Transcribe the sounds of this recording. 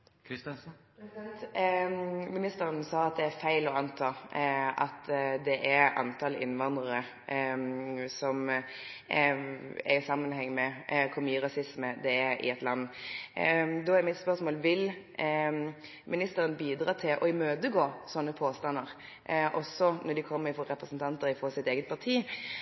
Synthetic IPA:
mɪnɪst̪əɾənsɑːɑt̪̚d̪ɛæɾfæɪlɔɑnt̪ʰɑːɑ̰t̪d̪ɛʔæɾɑ̰nt̪ʰɑlɪ̰nːʋɑnd̪ʁəɾə | sɔm | ɛ̰ɪsɑmːənhɛŋːmɛkʰʊmyːɾɑsɪsməd̪ɛæɪ̰ɛt̪lɑnː | d̪ɔæɾmɪt̪spœʁsmoːlʋɪl | mɪnɪst̪əɾənəbiːd̪ɾɑːt̪ʰɪlʔɔɪmøːd̪əɡoːsɔnːəpʰoːst̪ɑnːəɾ | ʔɔsːɔnɔd̪ɪkʰɔmːəfɔɾɾɛpɾəsn̩t̪ʰɑnt̪əɾɪfɔsɪt̪eːɡət̪̚pʰɑʁt̪ʰiː

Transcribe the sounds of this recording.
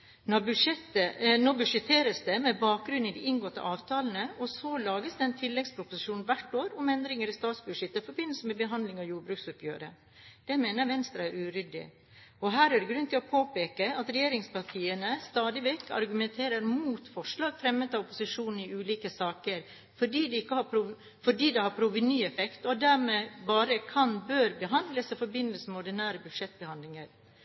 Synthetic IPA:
nɔbʉʂɛt̪ənoːbʉʂɛt̪ʰeːɾəsd̪ɛmɛbɑːk̚ɡɾʉnɪd̪ɪʔɪnɡɔt̪ːə̰ʔɑːʋt̪ʰɑːln̩əʔɔsɔlɑːɡəsd̪ɛɛnt̪ʰɪlːɛɡspʰɾʊpʊsɪʃʂuːnnʋæʈoːɾʊmɛnd̪ɾɪŋəɾɪst̪ɑːt̪sbʉʂɛt̪ːəfɔɾbɪnl̩səmɛbəɦɑnd̪lɪŋɑʋjuːɾbɾʉːksʊpjøːɾə | d̪̥ɛmeːnəɾʋɛnst̪ɾɑæɾʉːɾʏd̪ɪ̰ | ɔɦæːɾæɖɛɡɾʉnt̪ʰɪlɔpʰoːpeːkəɑt̪ɾɛjeːɾɪŋspɑʈʰiːənəst̪ɑːd̪ɪʋɛkːɑ̰ɾɡʉmɛnt̪ʰeːɾəɾmuːt̪fɔʂɭɑːɡfɾɛmːət̪ɑʋɔpʊsɪʂuːnn̩ɪʉːliːkəsɑːkəɾ | fɔɖiːd̪ɛɪkːəhɑpʰɾʊ | fɔɖiːd̪ɛhɑpʰɾʊʋənyːɛfɛkt̪ɔd̪æɾmeːbɑːɾəkʰɑnbøːɾbəɦɑnd̪ləsɛfɔɾbɪnəlsəmɔɖɛnæːɾəbʉd̪ʂɛt̪̚bəhɑnd̪lɪŋəɾ

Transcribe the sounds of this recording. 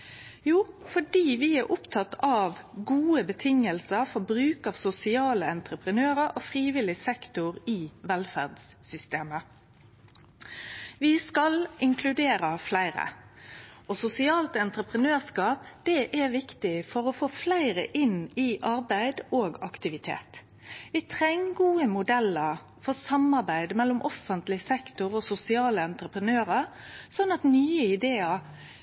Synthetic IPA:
juːfɔɖiːʋɪæɾʔʊpt̪ʰɑt̪ɑʋɡuːəbət̪ʰɪŋəlsəɾfɔbʁʉːkɑːʋsʊsɪɑːləɛnt̪ʁəpʁənøːʁəʔoːfʁiːʋɪlɪsɛkt̪ʊʁiːʋɛlfæʁd̪ssʏst̪eːmə | ʋɪskɑlɪŋkʰlʉd̪eːɾəflæɪʁə̰ | ɔsʊsɪɑːlt̪ɛnt̪ɾəpʁənøːʁskɑːpd̪̥ɛʔæʋɪkt̪ɪfɔɾɔfoːflæɪʁəʔɪnɪʔɑɾbæɪd̪oːɡɑkt̪ɪʋɪt̪ʰḛːt̪ | ʋɪt̪ʰʁɛŋɡuːəmʊd̪ɛlːəɾ | fɔsɑmɑɾbæɪd̪mɛlːʊmʔɔfːənt̪lɪsɛkt̪ʊʁoːsʊsɪɑːləɛnt̪ɾəpʁənøːʁə | sɔnːɑt̪nyːəɪd̪eːɑ

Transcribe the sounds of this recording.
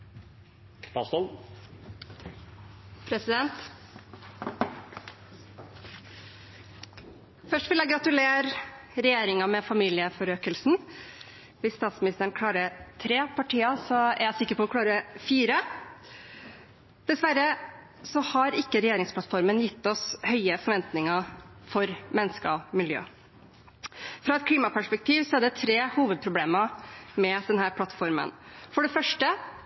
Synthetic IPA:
ɑsɔ | pʰɾɛsɪd̪ɛnt̪ | fœʂʈʋɪljæɪɡɾɑt̪ʉleːɾ | ɾɛjeːɾɪŋɑmɛfɑmiːlɪəfɔɾøːkəlsn̩ | ʋɪst̪ɑːt̪smɪnɪst̪əɾəɳ̩kʰlɑːɾət̪ʰɾeːpʰɑʈʰiːɑsɔæ̰ɾjæsɪkːəɾpɔɔkʰlɑːɾəfiːɾə | d̪̥ɛsʋæɾːə | sɔhɑɾɪkːəɾɛjeːɾɪŋspʰlɑt̪fɔɾmənjɪt̪ːɔshœʏəfɔɾʋɛnt̪nɪŋəfɔɾmɛnːskəmɪljø̰ː | fɾɑːɛt̪̚kʰliːmɑpæʂpɛk̚t̪ʰiːʋsɔæɖɛt̪ʰɾeːhuːʋəd̪̚pʰɾʊbleːməmɛd̪ɛnhæːɾpʰlɑt̪ːfɔɾmə̰nfɔɖɛfœʂʈə

